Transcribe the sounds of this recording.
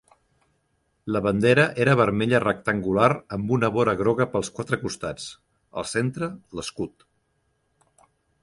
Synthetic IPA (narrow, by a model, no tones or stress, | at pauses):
ləβənd̪eɾəʔeɾəβ̞əɾmeʎərək̚t̪əŋɡulaɾəmbunəβoɾəɣɾɔɣəpəlˠskwat̪ɾəkust̪at͡s | ə̰lˠsent̪ɾələskut̪